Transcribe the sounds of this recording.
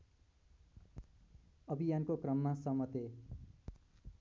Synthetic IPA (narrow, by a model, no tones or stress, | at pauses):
ʌbʱijankokrʌmːasʌmʌt̪e